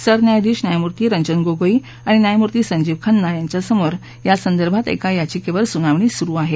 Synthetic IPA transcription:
səɾnjajd̪iːɕnjajmuɾt̪iːɾəɲd͡ʑənɡoɡoiː | aɽ̃injajmuɾt̪iːsəɲd͡ʑiːʋkʰənːajaɲt͡ɕjasəmoɾ | jasənd̪əɾbʱat̪ḛkajat͡ɕikeʋəɾsunaʋɳiːsuɾuːaɦe

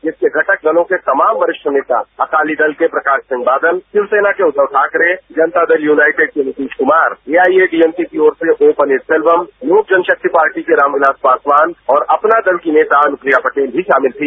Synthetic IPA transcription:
d͡ʒɪskeɡʱɐʈək̚ɡ̪ɐlõket̪ɐmaːmʋɐɾɪʃəneːt̪a̰ɐkaːlid̪ɐlkepɾɐkaːʃsɪ̃ŋɡ̚baːd̪əlsɪʋseːnakeʊt̪ːəʋʈʰaːkɾed͡ʒɐnt̪ad̪ɐljuːnaːɪʈɪɖ̚kenɪʈiːd͡ʒkʊmaːɾeːaːieɖiɛmsikioːɾseʔoːpənɪːɾsɛlʋəmnuːk̚d͡ʒɐnʃək̚t̪ʰipaːɾʈikeɾaːmɡlaːspaːsʋaːnɔːɾɐpnad̪ɐlkineːt̪anʊkɾijapɐʈeːlbʱiʃaːmɪlt̪ʰiː

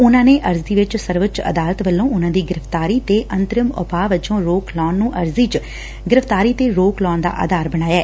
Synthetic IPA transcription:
ʊnãːneːʔəɾzd̪iːʋɪt͡ʃsəɾʋət͡ʃə̰d̪aːlət̪ʋəlːõːʊnãːd̪iːɡɪɾəft̪aːɾiːt̪eːʔənt̪ɾɪmʊ̰paːʋɪt͡ʃõːɾoːklɔːnːũːʔəɾziːt͡ʃ | ɡɪɾəft̪aːɾiːt̪eːɾoːklɔːnd̪a̰ːʔə̰d̪aːɾbəñaːjaː

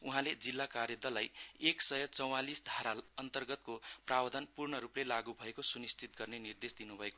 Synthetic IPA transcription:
uɦãled͡zilːakarjʌd̪ʌlajeksʌjʌt͡sʌw̃alisd̪ʱaɾalʌnt̪ʌrɡʌt̪koprabʌd̪ʱʌnpurɳʌɾuplelaɡubʱʌekosunist̪it̪̚ɡʌrnenird̪esd̪inubʱʌeko

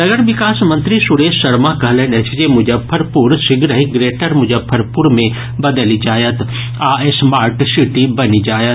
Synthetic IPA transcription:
nɐɡəɾʋɪkaːsmɐ̃nt̪ɾisʊɽeːʃsɐɽmakɐɦlẽnet͡ʃʰd͡ʒemʊd͡ʒəbpʰːəɾpʊɾsɪɡɾəɦɪɡɾeːʈəɾmʊd͡ʒəbpʰːəɾpʊɾmẽ | bɐd̪əlid͡ʒaːjət̪ | aːesmaːɾʈʃiʈibɐnid͡ʒaːjət̪

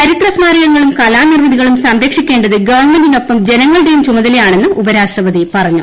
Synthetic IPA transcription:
t͡ɕɐɾit̪rɐsmaːɾɐɣɐŋːɐɭumkɐlaːnirmɐðiɣɐɭumsɐmɾɐkʂikʲːe̞ːɳɖɐðɨɡɐʋɐrɳmendino̞pːɐmd͡ʑe̞nɐŋːɐɭɽe̞jumt͡ɕumɐðɐlɐjaːɳe̞nːɨubɐɾaːʂʈrɐʋɐðipɐrɐɲːu

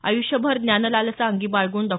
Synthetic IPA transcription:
a̰juɕjəbʱəɾd̪njanəlalt͡saəŋɡiːbaɭɡuːnd̪ɔ

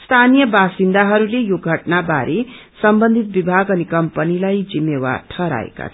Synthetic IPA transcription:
st̪ʰanijʌbasind̪aɦʌɾulejoɡʱʌʈnabaɾʔesʌmbʌnd̪ʱit̪̚bibʱaɡʌnikʌmpʌnilajd͡zimːewa̰rʈʰʌɾa̰ḛka̰t̪ʰ

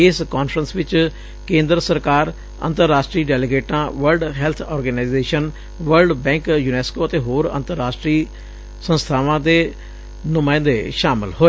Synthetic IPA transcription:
ɪskaːnfʰɾənsʋɪt͡ʃ | kẽːnd̪ɾəsəɾkaːɾ | ə̰nt̪əɾːaːʃʈɾiːɖɛːlɪɡeːʈãːʋəɾɖɦɛːlt̪ʰɔːɾɡənaɪzeːʃən | ʋəɾɖbɛ̃ːŋkjuːnɛːskoːət̪eːɦoːɾə̰nt̪əɾːaːʃʈɾiː | sə̃nst̪ʰaːʋãːd̪eː | nʊmaːɪ̃nd̪eːʃaːmɪ̰lhoːeː

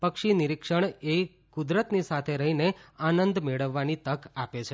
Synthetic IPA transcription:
pəkʃinɪɾikʂəɳe | kʊd̪ɾət̪nisat̪ʰeɾəɦineanənd̪meɭəʋːanit̪əkapet͡ʃʰe

